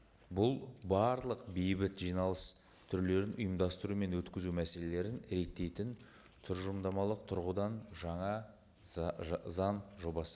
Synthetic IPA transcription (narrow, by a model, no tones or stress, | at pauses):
bʊlˠbɑɾlˠəq̚bejbɪt̪ʒijnɑlˠəs | t̪ʰʏɾle̞ɾɪnʔʊ̰jəmd̪ɑst̪əɾume̞nwɵt̪kʲɪzumæse̞le̞le̞ɾɪnɾe̞t̪ːe̞jt̪ɪn | t̪ʰʏɾʒʊmd̪ɑmɑlˠəq̚t̪ʰʊɾʁud̪ɑnʒɑɴɑ | zɑnʒo̞bɑsə